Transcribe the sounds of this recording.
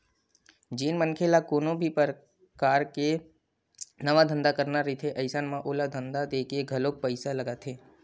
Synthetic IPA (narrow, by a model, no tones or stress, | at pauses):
d͡ʒiːnmənkʰelakoːnõbʱipəɾ | kaːɾke | nəʋad̪ʱə̃nd̪akəɾnaɾit̪ʰeʔəɪsanmãʔoːlad̪ʱənd̪ad̪eːkeɡʱəloːk̚pəɪsaləɡat̪ʰeː